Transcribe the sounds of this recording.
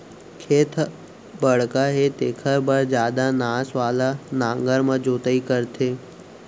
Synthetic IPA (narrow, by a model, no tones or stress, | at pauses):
kʰeːt̪ʰ | bəɽ̤kaɦet̪eːkʰəɾbəɾd͡ʒjaːd̪anaːsʋaːlanãːŋɡəɾmãd͡ʒoːt̪əikəɾt̪ʰeː